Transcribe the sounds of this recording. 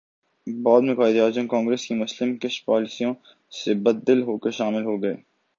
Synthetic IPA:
bɔːd̪mẽkaːɪd̪aːd͡ʒə̃nkɔ̃ːŋɡɾeːskimʊslɪmkɪʃpɔːlɪsijõ | sebɐd̪ːɪlɦoːkəʃaːmɪlɦoɡɐḛː

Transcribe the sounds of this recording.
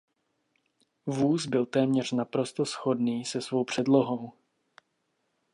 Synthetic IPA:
vuːsbɪlt̪ɛːmɲɛr̝̥napɾo̞st̪o̞sxo̞dniːsɛsvo̞wpr̝̥ɛdlo̞ɦo̞w

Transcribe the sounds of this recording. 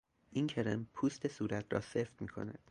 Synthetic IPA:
ʔiːncʰeɾempʰuːst̪ʰe̞suːɾæt̪ʰrɒ̰ːseft̪miːkʰo̞̰næ̰d̪̥

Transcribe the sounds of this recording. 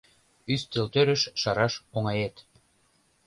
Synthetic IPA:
yst̪ølt̪øɾə̆ʃʃɑɾɑʃoŋɑjet̪

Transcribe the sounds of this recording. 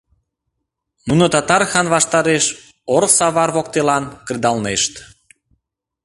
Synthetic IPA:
munot̪ɑt̪ɑɾxɑnβɑʃt̪ɑɾeʃ | oɾsɑβɑrβok̚t̪elɑnkrd̪ɑlneʃt̪

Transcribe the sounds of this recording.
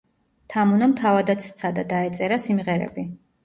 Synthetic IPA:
t̪ʰamunamt̪ʰavad̪at̪sʰt̪sʰad̪ad̪aɛt̪sʼɛɾasimʁɛɾɛ̰bi

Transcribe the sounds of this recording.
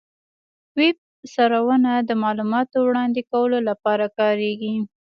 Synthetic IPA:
wɪb̚ | saɾawənad̪əmɑlumɑt̪owɽɑnd̪ekawəlolapɑɾakɑɾeɡi

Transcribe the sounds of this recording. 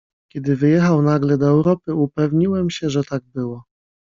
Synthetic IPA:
kʲɛd̪ɘvɘjɛxawnaɡlɛd̪ɔɛwɾɔpɘupɛvɲiwɛmɕɛʐɛt̪aɡ̚bɘwɔ

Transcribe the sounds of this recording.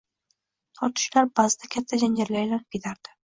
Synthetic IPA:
t̪ʰɒɾt̪ʰɪ̥ʃlaɾbazɪd̪ʰakʲʰat̪ʰːad͡ʒaŋd͡ʒaɾlajlanɪp̚kʲʰet̪ʰaɾd̪̥ɪ̥

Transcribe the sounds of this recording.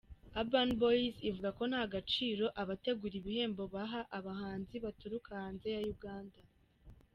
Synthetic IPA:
abanboizivuɡako̞n̥haɡat͡ʃiːɾo̞ʔaβate̞ɡuɾiβihe̞ːmbo̞βaɦaʔaβaɦaːnziβatuɾukahaːnze̞jajuɡaːnda

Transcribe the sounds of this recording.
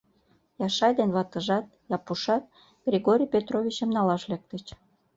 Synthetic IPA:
jɑʃɑjd̪enβɑt̪ə̆ʒɑt̪jɑpuʃɑt̪̚ | ɡ̥rʲiɣoɾʲijpʲet̪rovʲit͡ɕəmnɑlɑʃlek̚t̪ət͡ɕ

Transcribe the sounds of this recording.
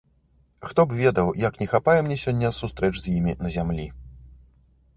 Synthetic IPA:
xt̪ɔbvʲɛd̪ɐwjɐknʲɛxapajɛmnʲɛsʲɔnʲːɐsust̪ɾɛt͡ʂzʲjimʲinɐzʲamlʲi

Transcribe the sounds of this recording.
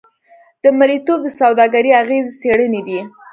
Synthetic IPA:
d̪̥əmaɾit̪ob̚d̪əsawd̪ɑɡaɾiaɣezt͡seɽəned̪i

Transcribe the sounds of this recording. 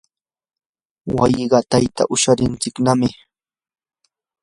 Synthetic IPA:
wa̰jɢɑt̪ajt̪a̰ʔʊʃaɾɪnt͡sɪknamɪ

